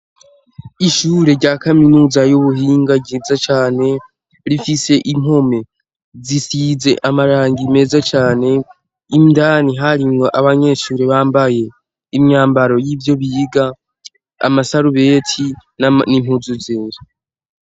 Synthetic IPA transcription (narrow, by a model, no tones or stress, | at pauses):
iʃuːɾe̞ɾɟaːkaminuːzajuβuɦiːŋɡaɟiːzat͡ʃaːne̞ | ɾifise̞ʔimo̞me̞ | zisiːze̞ʔamaɾaːŋɡime̞ːzat͡ʃaːne̞ | imdaːniɦaɾimŋo̞ʔaβaɲe̞ʃuːɾeβaːmbaje̞ | imɲaːmbaɾo̞jiːvjo̞βiːɡa | a̰masaɾuβe̞ːtʰinnimhuzuzeːɾa